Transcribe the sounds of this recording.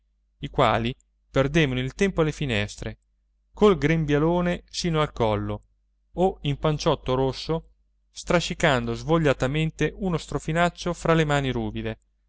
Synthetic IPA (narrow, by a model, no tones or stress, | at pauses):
ikwa̰ːli | perd̪eːvanoilt̪ɛmpoalefinɛst̪ɾe | kolɡɾembjaloːnesiːnoalkɔlːo | oimpant͡ʃɔt̪ːoɾosːo | st̪ɾaʃikand̪ozvoʎːat̪ament̪eʔunost̪ɾofinat͡ʃːofɾalemaːniɾuːbid̪e